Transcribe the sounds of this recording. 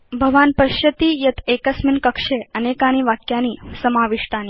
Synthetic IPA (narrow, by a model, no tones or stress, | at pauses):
bʱəʋaːnpəɕjət̪iːjɐt̪ʰekəsminkəkʂeənekaɽ̃iːʋakjaniːsəmaʋiʂʈaniː